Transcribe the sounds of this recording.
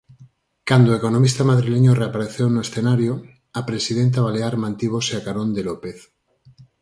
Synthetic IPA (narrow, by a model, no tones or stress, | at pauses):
kand̪oekonomist̪amaðɾileɲoreapaɾeθewnoesθenaɾjo | apɾesiðent̪̬aβaleaɾmãnt̪iβ̞oseakaɾõnd̪elopeθ